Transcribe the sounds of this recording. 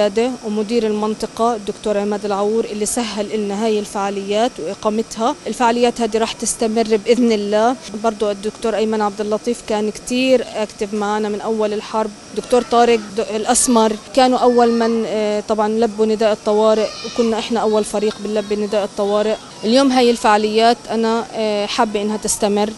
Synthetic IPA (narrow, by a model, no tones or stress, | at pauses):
aːd̪ewmʊd̪iːɾɪlmɪnt̪ˤɨqɑd̪ːʊkt̪oːɾʕɪmaːd̪ɪlʕawuːɾʔɪlːisaɦːalʔɪlnaɦaːjɪlfaʕaːlɪjːaːt̪wʔɪqɑːmɪt̪haʔɪlfaʕaːlɪjːaːt̪haːd̪iɾˤɑːħt̪ɪst̪amɪrːbʔɪðnɪlːaːbɑɾˤd̪ˤud̪ːʊkt̪oːɾʔajmanʕab̚d̪ɪlːɑt̪ˤiːfkaːnkt̪iːɾʔakt̪ɪbmaʕanamɪnʔawːalɪlħɑɾˤb̚ | d̪ʊkt̪oːɾˤt̪ˤɑːɾɪk̪̚lʔasmɑɾˤkaːnuʔawːalmant̪ˤɑbʕɑnlabːunɪd̪aːʔɨt̪ˤːɑwɑːɾɪʔwkʊnːaʔɪħnaʔawːalfaɾiːqbɪlːabːinɪd̪aːʔɨt̪ˤːɑwɑːɾɪʔ | ʔɪljoːmɦaːjːɪlfaʕalɪjːaːt̪ʔanaħabːʔɪnːhat̪ɪst̪amɪrː